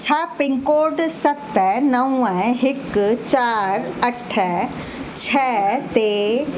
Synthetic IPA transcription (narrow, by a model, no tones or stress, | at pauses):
t͡ʃʰapɪ̃ŋkoːɖsɐt̪ɛnɐũɛ̃ɦɪkt͡ɕaːɾɐʈʰɛ | t͡ɕʰɛːt̪eː